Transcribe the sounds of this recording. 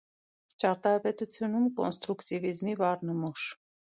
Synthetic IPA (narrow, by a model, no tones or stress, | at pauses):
t͡ʃɑɾt̪ɑɾpɛt̪ut͡sʰjunumkɔ̰nst̪ɾukt̪ivizmivɑɾnəmuʃ